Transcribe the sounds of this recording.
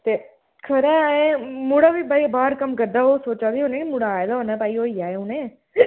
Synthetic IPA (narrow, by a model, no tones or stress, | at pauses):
t̪eː | kʰəɾaẽmuɽaːʋiːpaːibaːɾkəmkəɾd̪aːoːsoːt͡ʃaːd̪iɦoːnẽkimuːɽaːed̪aːɦoːnãːpaːioːiaːeunẽː